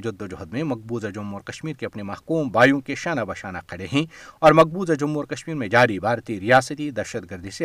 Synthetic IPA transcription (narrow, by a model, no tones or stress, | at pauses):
d͡ʒɐd̪ːod͡ʒɔɦd̪mẽmɐɡ̚buːzad͡ʒʊmːɔːɾkɐʃmiːɾkeɐpnemɐɦkuːmbaːjũkeʃaːnabaʃaːnaqʰɐɽeɦɛ̃ɔːɾmɐk̚buːzad͡ʒʊmːɔːɾkɐʃmiːɾmẽd͡ʒaːɾibʱaːɾt̪iɾijaːsət̪id̪ɐɾʃət̪ɡɐɾd̪ʱise